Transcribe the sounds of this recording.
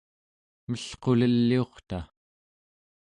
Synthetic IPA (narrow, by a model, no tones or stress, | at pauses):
məɬqo̞ləlːio̞χt̪a